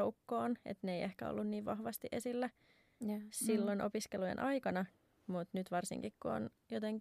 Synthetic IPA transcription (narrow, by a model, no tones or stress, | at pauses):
oukːoːnḛt̪neeiʔehkæ̰o̰lːunniːʋʋɑhʋɑst̪iʔesilːæ | silːonʔo̰piskelujḛnʔɑjkɑnɑ | mut̪nyt̪ʋɑrsḭŋkikkuo̰n | jot̪eŋk